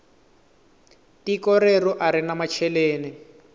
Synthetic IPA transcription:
tikɔɾerɔʔaɾinamat͡ʃʰɛleːni

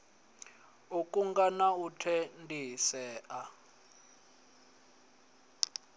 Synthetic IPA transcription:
ukʼuŋɡanautʰɛndʱisɛːʔa

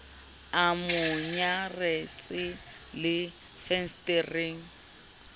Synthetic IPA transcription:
amʊɲaret͡sʼɪ | lɪ | fɛnstʼeriŋ̩

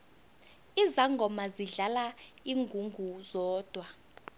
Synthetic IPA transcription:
izaŋɡʱɔmaziɮala | iŋɡʱuŋɡʱuzɔːd̥ʱwa

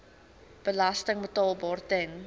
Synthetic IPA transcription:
b̥əlɐstəŋbətɑːlˠbɑːrtəŋ

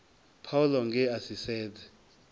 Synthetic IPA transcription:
pʰawulɔŋɡɛasisɛːdɛ

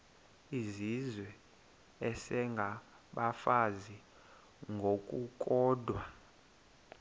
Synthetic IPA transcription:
izizwɛ | ɛsɛŋɡʱa | ɓafazi | ŋɡʱokʼukʼɔːdʱwa

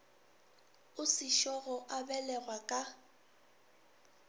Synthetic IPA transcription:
ʊsɪʃɔɣɔʔabɛlɛrwakʼa

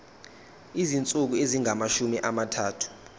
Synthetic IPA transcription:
izint͡sʼuk̬ueziŋʱamaʃumiʔamatʰaːtʰu̥

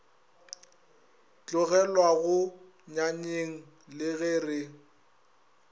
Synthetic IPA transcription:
t͡ɬʼʊɣɛlwaɣʊ | ɲaɲeŋ̩ | lɪɣɪːrɪ

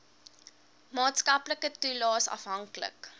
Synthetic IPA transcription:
mɑːtskɐpləkətulɑːsɐ̰fɦɐŋklə̰k

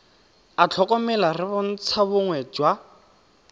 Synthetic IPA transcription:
at͡ɬʰɔkɔmɛlarɪbʊn̩t͡sʰabʊŋwɛd͡ʒwa

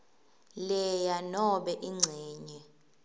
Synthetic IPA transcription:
lɛjanɔɓɛʔiŋ͡ǀʱɛːɲɛ

